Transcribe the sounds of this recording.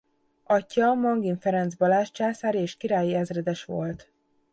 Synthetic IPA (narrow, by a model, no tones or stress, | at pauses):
ɒcːɒmɒŋɡiɱfɛɾɛnd̪zbɒlaːʃt͡ʃaːsaːɾieːʃkiɾaːjiɛzrɛd̪ɛʃʋo̞̰lt̪